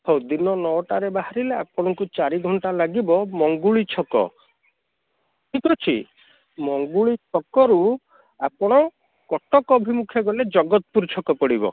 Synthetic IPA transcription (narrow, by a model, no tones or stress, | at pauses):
ɔwd̪inɔnɔʈaɾebaɦaɾileapɔɽ̃ɔŋkut͡ʃaɾiɡʱɔɳʈalaɡibɔmɔŋɡuɭit͡ʃʰɔkɔ̰ | kʰikʰɔt͡ʃʰḭ | mɔŋɡuɭit͡ʃʰɔkɔɾu | apɔɽ̃ɔ | kɔʈɔkɔbʱimukʰjɔɡɔled͡ʒɔɡɔt̪ɔpuɾt͡ʃʰɔkɔpɔɽibɔ̰